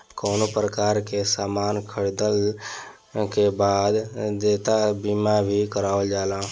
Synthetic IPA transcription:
koːnopɾəkaːɾkesaːmaːnkʰəɽd̪əl | kebaːd̪d̪eːt̪abimabʱikəɾaːʋəld͡ʒaːlãː

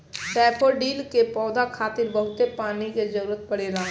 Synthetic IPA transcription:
ʈɛːpʰoɖiːlkepɔːd̪akʰaːt̪ɪɾbəɦʊt̪epaːnikezəɾuːɾət̪̚pəɽeːlãː

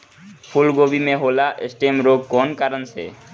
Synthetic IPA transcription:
pʰʊlɡoːbimẽɦoːlaʔḛsʈeːmɾoɡ̚kɔːnkaɾənsḛː

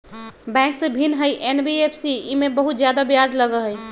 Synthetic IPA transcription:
bɛ̃ksẽbʱinɦəjʔenbiepʰsiimebəɦut̪zjad̪abjad͡ʒləɡəɦəj

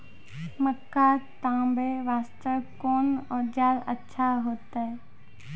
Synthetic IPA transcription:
məkːat̪ãːmbeʋaːst̪əʋkoːnɔːd͡ʒaːlə̰tːʃʰaɦoːt̪aːɦɛ

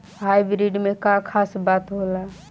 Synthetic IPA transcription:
ɦajbɾiɖmekakʰasbat̪ɦola

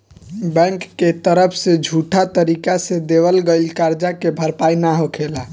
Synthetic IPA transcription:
bɛ̃ŋkːet̪əɾəpʰsed͡ʒʱuʈʰat̪əɾikased̪eʋəlɡelkaɾd͡ʒakebʱəɾpainaɦokʰela

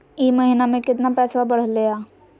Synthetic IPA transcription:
imɐɦɪnamẽkɪt̪napɛːsabɐɽ̤lejaː

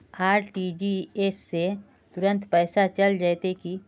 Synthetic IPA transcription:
aːɾʈid͡ʒieːsːe | t̪ʊɾə̃nt̪pɛːsat͡ʃɐld͡ʒajt̪eki

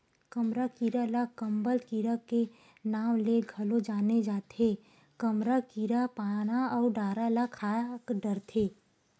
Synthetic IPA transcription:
kɐmɾakiɾalakɐ̃mbəlkiːɾake | naːmleɡʱɐlod͡ʒaːned͡ʒaːt̪ʰe | kɐmɾakiɾapaːnaɔːɾɖaːɾalakʰaːkɖɐɾt̪ʰeː

